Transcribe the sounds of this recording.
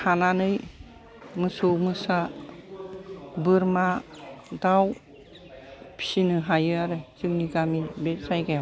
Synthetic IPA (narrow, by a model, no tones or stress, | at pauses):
hananɯj | mɯsomɯsa | bɯɾmadaw | pʰi̥sinɯɦajɯaɾɯzɯŋniɡamibesajɡaja